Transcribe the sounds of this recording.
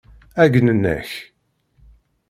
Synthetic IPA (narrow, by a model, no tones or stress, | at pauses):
æɡnənːə̰ç